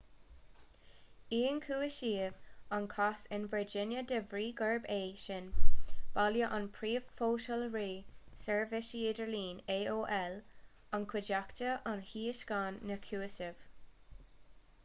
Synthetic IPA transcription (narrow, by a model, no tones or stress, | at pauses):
iːnkʰuːɪʃiːvankʰasɪnvəɹd͡ʒɪnjəd̪əvɹiːɡəɹbeːʃɪnb̥aljəʔanpʰɹiːvfoːʃəlɹiːsɛɹvɪʃiːdəɹliːneːʔoːʔɛl | ankʰwɪd͡ʒaktəʔanhiːəʃɡ̥anːəkʰjuːəsɪv̥